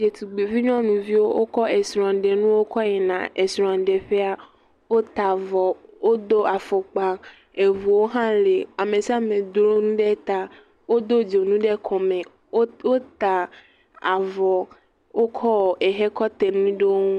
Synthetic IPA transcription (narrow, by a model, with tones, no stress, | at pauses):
d͡ʒe˨t̪u˨ɡ͡be˨vi˦ɲɔ̃˦nũ˨vi˦wo˦ʔo˦kɔ˦e˨sɾɔ̃˨ɖe˨nũ˦wo˦kɔ˦jɛ˨nã̰˨e˨sɾɔ̃˨a˨ɖɛ˨ɸe˦a˦ | wo˦t̪a˨vɔ˨wo˦d̪o˦ʔa˨fo˨k͡pa˨ | e˨vu˨wo˦ɦã˦le˨a˨mẽ˨si˦a˦mẽ˨d̪ɾo˦nũ˦ɖɛ˦t̪a˦ | wo˦d̪o˦d͡ʒo˨nũ˦ɖɛ˦kʰɔ˨mẽ˨ | o˦wo˦t̪a˨ | a˨vɔ˨ | wo˦kʰɔ˦˨e˨ɦe˦kɔ˦t̪e˨nũ˦ɖe˦o˦ũ˦